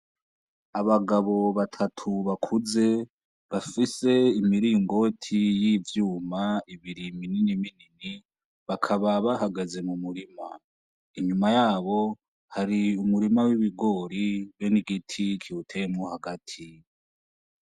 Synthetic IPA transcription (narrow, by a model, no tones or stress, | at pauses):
aβaɡaβo̞βatʰatʰuβakʰuze̞ | βafise̞imiɾiŋɡo̞tʰijivjuːmaiβiɾimininiminini | βakʰaβaβahaɡeze̞mumuɾima | iɲumajaːβo̞ | haɾiumuɾimawiβiɡo̞ːɾiβoniɡitʰikʰiutʰemŋohaɡatʰi